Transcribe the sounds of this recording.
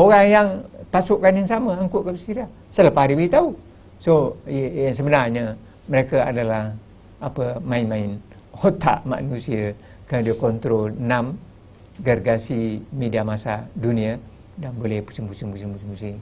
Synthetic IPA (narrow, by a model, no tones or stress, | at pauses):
oɣaŋjaŋpasuʔkːanjaŋsaməaŋkuʔkəbəst̪iɾa | səlapahaɾibəit̪au | sojaŋs̬əbənarɲa | məɾekaa̰dalah | apəmainmaɪn | hot̪a̰ʔma̰nusiə | kaadiəkɔnt̪ɾonam | ɡarɡasimediamasaduniə | danbolɛhpu̥sibusimusimusimusi